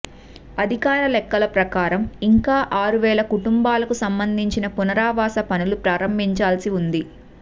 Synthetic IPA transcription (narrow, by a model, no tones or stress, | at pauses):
ɐd̪ʱikaːɾɐlɛkːɐlɐpɾɐkaːɾɐmiŋkaːʔaːɾuʋɛːlɐkuʈumbaːlɐkusɐmbɐnd̪ʱiɲt͡ʃinɐpunɐɾaːʋaːsɐpɐnulupɾaːɾɐmbʱiɲt͡ʃaːlsiund̪i